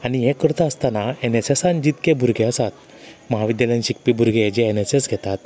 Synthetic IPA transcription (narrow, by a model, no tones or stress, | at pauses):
aniɦẽkəɾt̪aəst̪anaenesesand͡ʑit̪kebʱuɾɡʱeəsat̪ | məɦaʋid̪jalẽnɕik̚pibʱuɾɡʱed͡ʑɛenesesɡʱɛt̪at̪